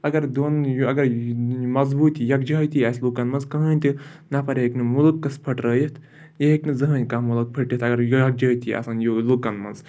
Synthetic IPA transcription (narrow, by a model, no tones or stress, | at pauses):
ɐɡɐɾd̪onjɐɡɐɾmɐzbuːt̪jɐk̚d͡ʒɐt̪iaːslukɐnmɐnzkɐɦənʲt̪ɨ | napɐɾʲeeknɨmulukːɐspʰɐʈɾəːjit̪ʰ | jeɦeknɨzɐɦənʲkamuluk̚pʰɐʈjit̪ʰɐɡɐɾjɐk̚d͡ʒɐːt̪ʰia̰sanjolukɐnmɐ̰nz